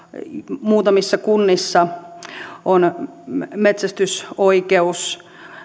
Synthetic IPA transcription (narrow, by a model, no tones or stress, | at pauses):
muːt̪ɑmisːɑkunːisːɑ | on | met̪sæst̪ysoikeus